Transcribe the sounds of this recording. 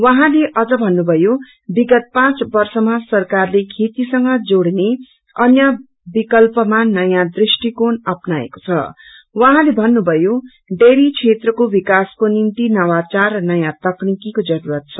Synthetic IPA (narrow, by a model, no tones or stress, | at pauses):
wʌɦãleʔʌd͡zʌbʱʌnːubʱʌjo | biɡʌt̪̚pãt͡sbʌrsʌmasʌrkarlekʰet̪isʌŋɡʌd͡zoɽne | ʌnjʌ | bikʌlpʌmanʌjãd̪risʈikonʌpnaḛko̥t͡sʰʌ̰ | wʌɦãlebʱʌnːubʱʌjo | ɖeɾit͡sʰet̪rʌkobikaskonint̪inʌwat͡sarʌnʌjãt̪ʌknikikod͡zʌɾuɾʌt̪̚t͡sʰʌ